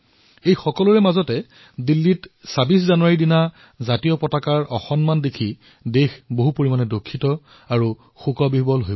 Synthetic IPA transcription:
ejxɔkɔluɹɛmazɔtɛ | dilːitsabiszanuwaɹidina | zatijɔpɔtakaɹɔ̰xɔnmandekʰi | dexboɦupoɹimanɛdokʰːitɔ | aɹu | xukɔbibɔlɦoj

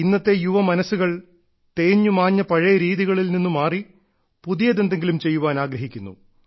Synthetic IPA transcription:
inːɐt̪ːe̞juʋɐmɐnɐsːuɣɐɭ | t̪e̞ːɲːumaːɲːɐpɐɻejɐɾiːðiɣɐɭilninːumaːri | puðijɐðend̪e̞ŋɡilumt͡ɕe̞jːuʋaːnaːɡɾɐɦikʲːunːṵ

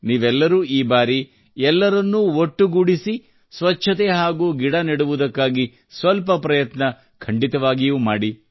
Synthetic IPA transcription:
niːʋɛlːɐɾuːiːbaːɾi | ɛlːɐɾɐnːuoʈːuɡuɽisi | sʋɐt͡ʃːʃʰɐt̪eɦaːɡuːɡiɽɐniɽuʋud̪ɐkːaːɡi | sʋɐlpɐpɾɐjɐt̪nɐ | kʰɐɳɖit̪ɐʋaːɡijuːmaːɽi

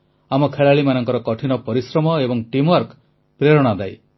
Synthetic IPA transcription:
amɔkʰeɭaɭimanɔŋkɔɾɔkɔʈʰinɔpɔɾisɾɔmɔebɔŋʈimwɔɾk | pɾeɾɔɽ̃ad̪aj

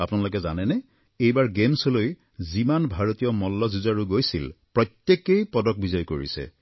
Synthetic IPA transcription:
apunalok̬ɛzanɛnɛ | ejbaɹɡemsɔloj | zimanbʱaɹot̪ijɔmɔlːɔzuzaɹuɡojsilpɹɔt̪jekejpɔdɔk̚bizɔjkoɹḭsɛ̰

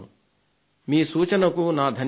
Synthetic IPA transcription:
ṵ | miːsuːt͡ʃɐnɐkunaːd̪ʱɐn

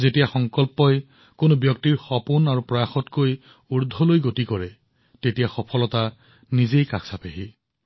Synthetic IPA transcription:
zetijaxɔŋkɔlpɔj | konobjɔktiɹxɔpunaɹupɹɔjaxɔtkoj | uɹdʱɔlojɡotikɔɹɛ | tetijaxɔpʰɔlɔta | nizejka̰ksapeɦi

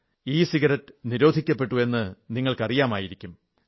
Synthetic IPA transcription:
iːsiɣɐɾɐtːɨniɾo̞ːd̪ʱikʲːɐpːe̞ʈːue̞nːɨniŋːɐɭkɐrijaːmaːjiɾikʲːum

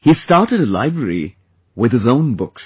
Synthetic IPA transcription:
histɑɹɾɨɾəla̰ɪbɹəɹḭ | wɪðɨzõʊ̃nbʊks

